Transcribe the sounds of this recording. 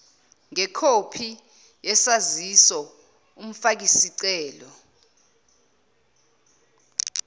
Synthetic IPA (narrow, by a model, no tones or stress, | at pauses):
ŋɛkʰopʰi | jɛsazisɔ | um̩fak̬isiǀɛːlɔ